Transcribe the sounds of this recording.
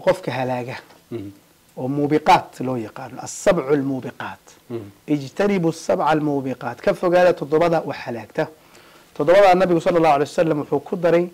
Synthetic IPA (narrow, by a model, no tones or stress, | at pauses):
qɔfkʰɐɦɐlaːɣɐ | ʔɔːmuːbɪqɑːt̪lɔːjɑqɑːnɔʔɐsːɑbʕʊlmuːbɪqɑːt̪ | ʔɪd͡ʒt̪ʰɐnɪbʊsːɑbʕɑlmuːbɪqɑːt̪kʰɐfɔɣaːðɐt̪ʰɔd̪ɔβɐðɐʔʊħɐlaːɡt̪ʰɐ | t̪ʰɔd̪ɔβɐðaːnɐβɪɣʊsɑlːɑlːɑːhʊʕalɛjsɐlːɐmwʊħuːkʰʊd̪ɐɾɛj